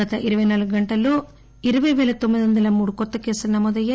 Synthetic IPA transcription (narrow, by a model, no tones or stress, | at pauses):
aːt̪ɐʔiɾuʋɐjnaːluɡuɡɐɳʈɐloː | iɾuʋɐjʋɛːlɐt̪omːid̪iʋɐnd̪ɐlɐmuːɽukɔt̪ːɐke̞ːsulɐnɐmɔːd̪ɐjːaː